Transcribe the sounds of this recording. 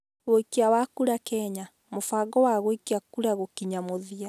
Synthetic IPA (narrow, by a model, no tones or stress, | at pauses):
ɣoikeawakuɾakɛɲa | mofaɡɔwaɣoikeakuɾaɣokiɲamoðia